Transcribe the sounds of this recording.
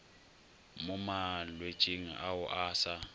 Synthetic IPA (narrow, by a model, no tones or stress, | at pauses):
mumalwe̥t͡ʃʼiŋa̰ʔawʊʔaːsa